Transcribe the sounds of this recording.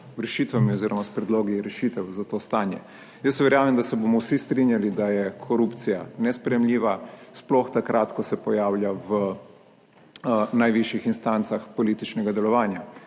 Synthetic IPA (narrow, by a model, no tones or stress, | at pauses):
ɾɛʃit̪ʋamiɔziːɾɔmaspɾɛd̪loːɡiɾɛʃiːt̪ɛwzat̪oːst̪aːnjɛ̰ | jəsʋɛɾjaːmɛmd̪asɛbomɔwsist̪ɾinjalid̪ajɛkʰɔɾupt̪sijanɛspɾɛjɛmlʲiːʋasplɔxt̪akɾʔaːt̪kɔsɛpɔjaːwlʲjaʋə | najʋiʃjixinst̪ant̪saxpɔliːt̪it͡ʃnɛɡad̪ɛlɔʋaːnja